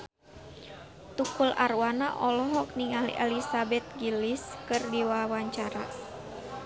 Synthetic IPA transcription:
t̪ukulʔarwanaʔɔlɔɦɔk̚niŋalḭʔɛlisabɛt̪̚ɡiliskɨrdiwawaɲt͡ʃaɾa

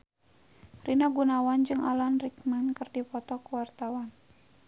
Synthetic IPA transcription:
rinaɡunawand͡ʒɨŋalanrikmankɨrdipɔt̪ɔkuwart̪awan

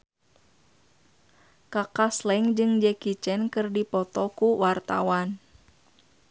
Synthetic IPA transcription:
kakaslɛŋd͡ʒɨŋd͡ʒɛkit͡ʃɛnkɨrdipɔt̪ɔkuwart̪a̰wan

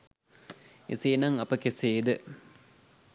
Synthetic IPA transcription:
ḛseːnaŋɐpəkeseːd̪ə

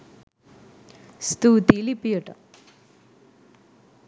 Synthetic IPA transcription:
st̪uːt̪iːlipijɐʈɐ

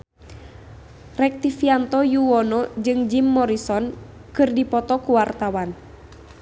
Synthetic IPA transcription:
rɛk̚t̪ifiant̪ɔjuɔnɔd͡ʒɨŋd͡ʒimːɔɾisɔn | kɨrdipɔt̪ɔkuwart̪awan

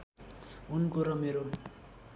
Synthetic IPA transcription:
unkoɾʌmeɾo

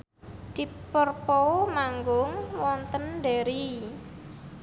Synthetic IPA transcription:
d̪̥i̤pərpɔmaŋɡʊŋwɔnt̪ənɖɛɾi

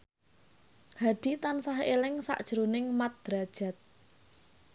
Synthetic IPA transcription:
haɖ̪̥it̪ansaɦelɪŋsa̰ʔd̥ʒ̥əɾunɪŋmat̪̚d̪̥ɾa̤d̥ʒ̥a̤t̪̚

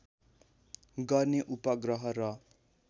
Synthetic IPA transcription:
ɡʌrneʔupʌɡrʌɦʌɾʌ

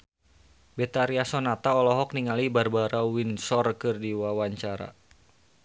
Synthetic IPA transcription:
bɛt̪aɾiasɔnat̪aɔlɔɦɔk̚niŋalibarbaɾawinsɔrkɨrdiwawaɲt͡ʃaɾa̰

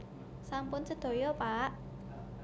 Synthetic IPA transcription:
sampʊnt͡ʃəd̪̥o̤jɔpaʔ

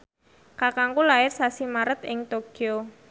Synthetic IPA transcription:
kakaŋkulaɪrsasimaɾət̪ɪŋt̪oɡ̥io

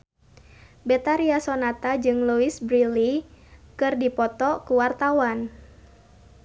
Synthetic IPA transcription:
bɛt̪aɾiasonat̪ad͡ʒɨŋluisbɾilikɨrdipɔt̪ɔkuwart̪awan

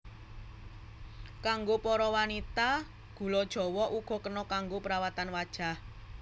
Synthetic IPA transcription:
kaŋɡopɔɾɔwanit̪a | ɡ̥ṳlɔd̥ʒ̥ɔ̤wɔʔuɡ̥ɔ̤kənɔkaŋɡopəɾawat̪anwad̥ʒ̥a̤h

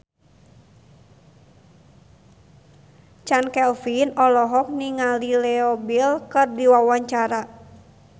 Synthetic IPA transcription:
t͡ʃankɛlfinɔlɔɦɔk̚niŋalilɛɔbilkərdiwawaɲt͡ʃaɾa

